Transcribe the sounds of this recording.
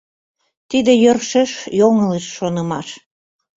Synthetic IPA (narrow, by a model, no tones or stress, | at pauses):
t̪id̪ejərʃeʃjoŋəleʃːonə̆mɑʃ